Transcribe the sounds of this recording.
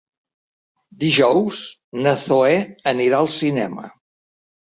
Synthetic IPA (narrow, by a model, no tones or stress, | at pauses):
d̪iʒɔwz | nəθoɛəniɾaəlˠsinɛmə̰